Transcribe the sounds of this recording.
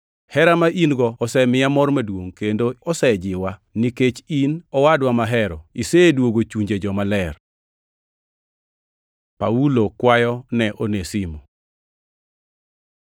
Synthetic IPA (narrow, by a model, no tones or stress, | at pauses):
hɛɾamaʔinɡɔːsɛmɪjamɔrmadwoŋkendoɔsɛd͡ʒɪwaniket͡ʃinɔwadwamaɦɛɾɔ̰isedwoɡot͡ʃuɲd͡ʒed͡ʒɔmalɛr | paulokwajɔnɛʔonesimo